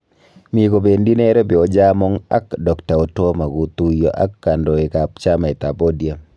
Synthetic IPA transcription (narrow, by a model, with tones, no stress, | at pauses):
mi˨ko˨be˨ndi˦nɛ˦ɾɛ˦bi˨ɔ˦d͡ʒa˦mɔ˦ŋa̰˦kdɔ˨kta˨o˨to˦ma˨ɡu˨t̪u˦jɔ̰˦ʔa̰˦kːa˨ndɔ˨e˨ka˨pt͡ʃa˦ma˨ɛ˨t̪a˨bo˦di˨a˨